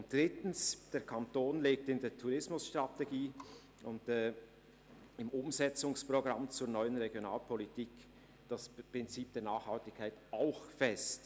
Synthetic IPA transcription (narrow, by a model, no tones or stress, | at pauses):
ʊntd̥ʁɪtn̩sd̥eːɐkʰantoːnleːk̚tɪndeːɐtʰuʁɪsmʊsʃtʁ̥ateɡiː | ʊntɛ | ɪmʊmzɛt͡sʊŋspʁ̥oɡʁamt͡suːɐnɔʏənʁeɡjonaːlpʰɔlitʰiːk | d̥aspʁ̥ɪnt͡siːp̚d̥eːɐnaːχhaltɪkʰːaɪtaʊxfɛst